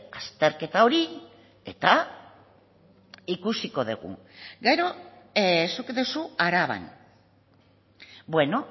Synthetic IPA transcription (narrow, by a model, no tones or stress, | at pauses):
ast̪e̞ɾke̞t̪ao̞ɾi | e̞t̪a | ikusiko̞ðeɣṵ | ɡe̞ɾo̞ | sukd̪esuaɾaβa̰n | bwe̞no̞